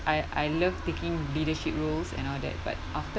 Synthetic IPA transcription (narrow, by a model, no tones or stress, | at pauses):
ajʔajləvtekĩŋlidəʃip̚ɹolsɛ̰̃nɔldɛ̰t̚ba̰t̚ʔaftə